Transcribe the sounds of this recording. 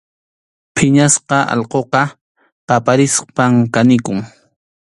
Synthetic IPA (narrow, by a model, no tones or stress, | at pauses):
pʰɪɲasqɑʔɑ̰lqoqɑ | qɑpaɾɪspamkanɪkʊŋ